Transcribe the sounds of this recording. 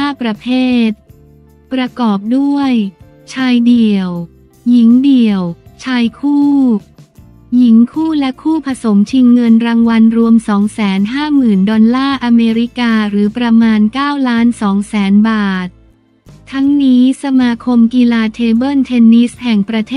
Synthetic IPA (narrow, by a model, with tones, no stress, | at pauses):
aː˥˩pɾa˧pʰeː˥˩t̪̚ | pɾa˧kɔː˨˩p̚du˥˩əj | t͡ɕʰaː˧jdi˨˩əw | ji˩˦ŋdi˨˩əwt͡ɕʰaː˧jkʰuː˥˩ | ji˩˦ŋkʰuː˥˩lɛ˦˥kʰuː˥˩pʰa˧so˩˦mt͡ɕʰi˧ŋːɤ˧nɾaː˧ŋwa˧nɾu˧əmsɔː˩˦ŋsɛː˩˦nɦaː˥˩mɯː˨˩ndɔ˧nlaː˥˩ʔa˧meː˧ɾi˦˥kaː˧ɾɯː˩˦pɾa˧maː˧nkaː˥˩wlaː˦˥nsɔː˩˦ŋsɛː˩˦nbaː˨˩t̪̚ | t̪ʰːa˦˥ŋniː˦˥sa˧maː˧kʰo˧mki˧laː˧t̪ʰeː˧bɤ˥˩nt̪ʰe˧nːi˦˥shɛ˨˩ŋpɾa˧t̪ʰeː˥˩